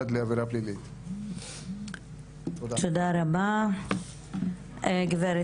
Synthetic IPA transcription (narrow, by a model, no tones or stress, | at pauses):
d̪leaveɾaplilit̪ | t̪od̪aɾaba | ɡveɾ